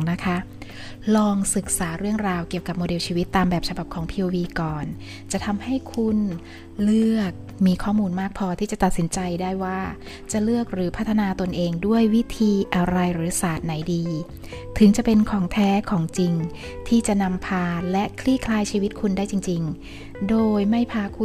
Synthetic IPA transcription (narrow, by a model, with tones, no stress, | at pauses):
na˦˥kʰa˦˥ʔ | lɔː˧ŋsɯ˨˩k̚saː˩˦ɾɯ˥˩əŋɾaː˧wki˨˩əwka˨˩p̚moː˧de˧wt͡ɕʰiː˧wi˦˥t̪ːaː˧mbɛː˨˩p̚t͡ɕʰa˧ba˨˩p̚kʰɔː˩˦ŋpʰiː˧ʔoː˧wiː˧kɔː˨˩n | t͡ɕa˨˩ʔt̪ʰa˧mha˥˩jkʰu˧˩n | lɯ˥˩ək̚ | miː˧kʰɔː˥˩muː˧nmaː˥˩k̚pʰɔː˧t̪ʰiː˥˩t͡ɕa˨˩t̪a˨˩t̪̚si˩˦nt͡ɕa˧jdaː˥˩jwaː˥˩ | t͡ɕa˨˩lɯ˥˩ək̚ɾɯː˩˦pʰa˦˥t̪ʰːa˧naː˧t̪o˧nʔeː˧ŋdu˥˩əjwi˦˥t̪ʰiː˧ʔa˧ɾa˧jɾɯː˩˦saː˨˩t̪̚na˩˦jdiː˧ | t̪ʰɯ˩˦ŋt͡ɕa˨˩pe˧nkʰɔː˩˦ŋt̪ʰɛː˦˥kʰɔː˩˦ŋt͡ɕi˧ŋ | t̪ʰiː˥˩t͡ɕa˨˩na˧mpʰaː˧lɛ˦˥ʔkʰliː˥˩kʰlaː˧jt͡ɕʰiː˧wi˦˥t̪̚kʰu˧ndaː˥˩jt͡ɕi˧ŋt͡ɕi˧ŋ | doː˧jma˥˩jpʰaː˧kʰu˧